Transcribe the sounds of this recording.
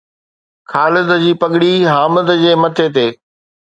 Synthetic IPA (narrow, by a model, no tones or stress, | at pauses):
kʰaːlɪd̪əd͡ʑiːpɐɠɪɽiɦaːməd̪əd͡ʑeːmɐt̪ʰet̪̬eː